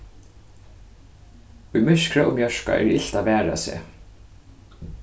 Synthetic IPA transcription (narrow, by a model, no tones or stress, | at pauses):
ʊjmɪʃkɹaʔʊmjœʂka̰ʔɛ̰ːɹɪ̰ɬt̪aʋæːɹa̰sḛː